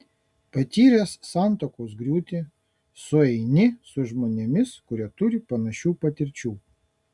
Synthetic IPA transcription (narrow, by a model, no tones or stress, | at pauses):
pɐt̪ʲiːɾʲeːsːɑˑnˑt̪oːkoːs̬ɡɾʲuːt̪ʲe | sʊɛɪnʲɪsʊʒmoːnʲemʲɪskʊɾʲit̪ʊɾʲɪpɐnɐʃʲuːpɐt̪ʲɪɾʲt͡ʃʲuː